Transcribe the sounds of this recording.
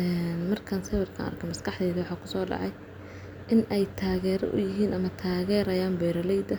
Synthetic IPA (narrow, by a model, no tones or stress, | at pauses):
ɛːnmɐrkʰɐnsɛwɛrkʰɐ̰nɐ̰rkʰɛmɐskʰɑħd̪ɛːðɐwɑħaːkʰʊ̥sɔːɖɑ̰ʕɑj | ʔɪnʔɛjt̪ʰaːɣɛːɾɔ̰ʔʊ̰jɪɦiːnʔɐmɐt̪ʰaːɣɛːɾɐjaːmbɛːɾɐlɛjd̪ɐ